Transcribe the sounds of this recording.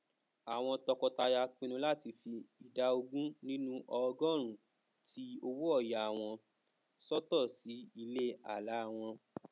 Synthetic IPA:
a˨w̃ɔ̃˧tɔ˧kɔ˧ta˧ja˧k͡pĩ˧nũ˧˦la˦ti˧fi˧i˨da˨˧o˧ɡũ˦nĩ˦nũ˦ʔɔ˧ɡɔ̃˦˨ɾ̃ũ˨ | ti˦o˧wu˦ɔ˦˨ja˨w̃ɔ̃˧ | sɔ˦tɔ˦˨si˨˦i˧le˦a̰˦˨la˨˦˧w̃ɔ̃˧

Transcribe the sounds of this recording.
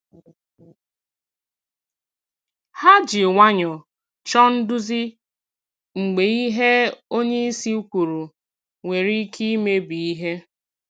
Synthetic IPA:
ha˦d͡ʒi˨ŋʷa˦ɲɔ˨ | t͡ʃɔ˦n̩˦dʊ˦zi˦ | ŋ͡m̩˨ɡ͡be˨i˦ɦe˦o˦ɲe˦i˦si˦u˦kʷu˨ɾu˨ | ŋʷe˨ɾi˦kʰi˦me˦bi˨i˦ɦe˦

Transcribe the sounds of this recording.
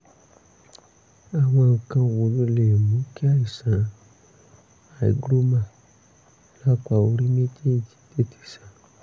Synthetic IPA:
a˨wã˧˨kã˦˨wo˨lo˦le˨nũ˨˦ki˦a˦˨i˨sã˨ | a˨ḭ˨ɡɾo˦mã˦˨ | la˦kʷa˨o˧ɾi˦me˦te˦˨d͡ʒi̥˨te˦ti̥˨sã˨

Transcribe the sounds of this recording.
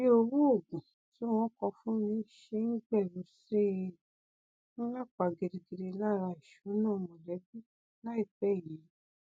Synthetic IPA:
i˦o˧wu˦o˦˨ɡũ˨ | ti˨˦w̃ɔ̃˦kɔ˧fũ˦nĩ˦ʃe˧ŋ̩˦ɡ͡bɛ˦˨lo˨˦se˦ | nũ˦la˦˨k͡pa˨ɡe˨de˨ɡe˨de˧la˦˨ɾa˧˨i˨ʃu˨˦nãː˦˨˧mɔ̃˨lɛ˨˦bi˦ | la˦i˦˨bɛ˦˨ji˨˦

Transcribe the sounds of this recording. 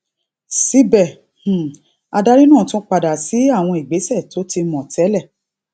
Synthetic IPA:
si˦bɛ˦˨ | h̩˨ | a˧da˦ɾi˦nãː˦˨tũ˦k͡pa˧da˨si˨˦a˦˨w̃ɔ̃˧i˨ɡ͡be˨˦sɛ˦˨tʰo˨˦ti˧mɔ̃˨tʰɛ˨˦lɛ˦˨

